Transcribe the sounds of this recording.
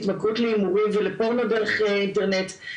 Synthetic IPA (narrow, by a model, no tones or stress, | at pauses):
tmakutleimuʁimvelepaʁmadeʁeχeinteʁnet